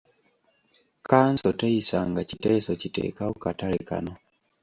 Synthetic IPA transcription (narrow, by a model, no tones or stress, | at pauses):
kaːnsɔteisaŋɡacitɛsocitḛːkaukatalika̰no